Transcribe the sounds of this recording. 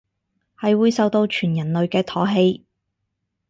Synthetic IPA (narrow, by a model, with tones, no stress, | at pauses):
hɐ˨jwuː˨˧jsɐ˨˧wt̪o˧wt͡ʃʰyː˨˩njɐ˨˩nlɵ˨ɥkɛː˧t̪ʰɔː˨˥ɦe˧j